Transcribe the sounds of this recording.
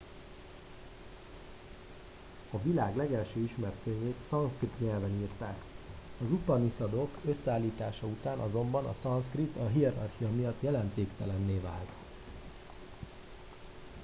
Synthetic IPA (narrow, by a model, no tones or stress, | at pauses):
ɒvilaːɡlɛɡɛlʃøːiʃmɛrt̪køɲːeːt̪sɒnskrit̪ɲɛlvɛniːrt̪aːkɒzup̪ɒnisɒd̪o̞køsːɛaːlːiːt̪aːʃɒut̪aːnʔɒzo̞mbɒnɒ̰sɒnskrit̪ɒɦiɛɾɒ̰rxiɒmijɒt̪ːjɛlɛnt̪eːkt̪ɛlɛnːeːva̰ːlt̪